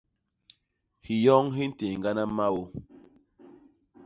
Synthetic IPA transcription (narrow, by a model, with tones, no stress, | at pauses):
hi˨jɔ˦ŋɦi˦n̩˦te˨ŋ˨ɡa˦na˦ma˦wo˦